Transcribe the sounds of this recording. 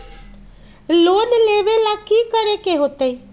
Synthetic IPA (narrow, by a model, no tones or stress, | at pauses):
loːnleːʋelakiːkəɾekeɦoːt̪e